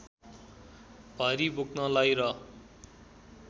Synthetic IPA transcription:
bʱʌɾibuknʌlajɾʌ

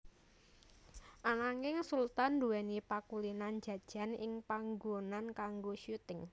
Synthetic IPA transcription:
ʔanaŋɪŋsult̪anduɛnipakulinand͡ʒ̥ä̤d̥ʒ̥a̤nɪŋpaŋɡonankaŋɡoʃut̪ɪŋ

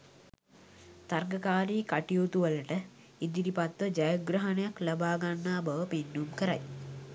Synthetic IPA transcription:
t̪arɡɐkaːɾiːkaʈijut̪uʋələʈə | id̪iɾipat̪ʋəd͡ʒɐjəɡɾɐɦɐnəjaklɐbaːɡanːaːbɐʋəpinːumkəɾa̰j

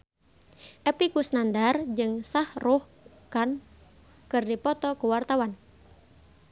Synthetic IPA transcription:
ʔɛpikusnandard͡ʒɨŋsahruh | kan | kɨrdipɔt̪ɔkuwart̪awan

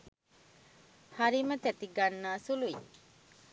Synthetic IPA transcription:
haɾimət̪æt̪iɡanːaːsului

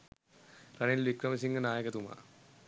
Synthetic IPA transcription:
ranilʋikɾəməs̬iŋɡənaːjəkət̪uma̰

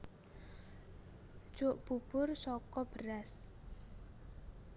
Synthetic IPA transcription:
d̥ʒ̥oʔb̥ub̥ʊrsɔkɔb̥əɾas

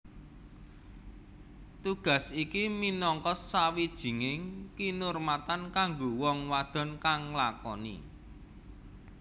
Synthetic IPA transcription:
t̪uɡ̥a̤sikiminɔŋkɔsːawid̥ʒ̥i̤ŋɪŋkinʊrmat̪ankaŋɡowɔŋwad̪̥ɔ̤nkaŋlakɔ̰nḭ

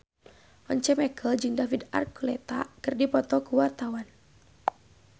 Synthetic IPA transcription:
ɔɲt͡ʃɛmɛkʰəld͡ʒɨŋdafida̰rkulɛt̪akɨrdipɔt̪ɔkuwart̪awan

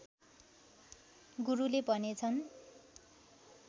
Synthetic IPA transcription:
ɡuɾulebʱʌnet͡sʰʌn

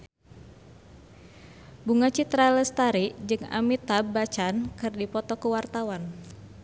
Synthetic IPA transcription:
buŋat͡ʃit̪ɾaləst̪aɾid͡ʒɨŋa̰mit̪abat͡ʃankɨrdipɔt̪ɔkəwart̪awan

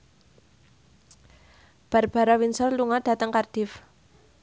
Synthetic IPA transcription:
b̥a̤rb̥a̤ɾawinsɔrluŋad̥a̤t̪əŋkard̥ɪf

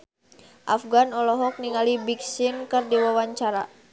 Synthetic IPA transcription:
ʔafɡanɔlɔɦɔk̚niŋalibiksinkɨrdiwawaɲt͡ʃaɾa̰

